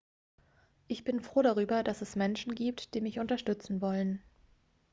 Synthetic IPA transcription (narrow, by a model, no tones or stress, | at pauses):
ʔɪçb̥ɪnfʁ̥oːɾaʁ̞yːbɐdasɛsmɛnʃn̩ɡiːp̚td̥iːmɪçʔʊntɐʃtʏt͡sn̩vɔlən